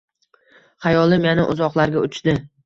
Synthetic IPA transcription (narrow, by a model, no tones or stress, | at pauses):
χajɒlˠɪmjanɪʔʊzɒqlˠaɾɡʲaʊt͡ʃd̪̥ɪ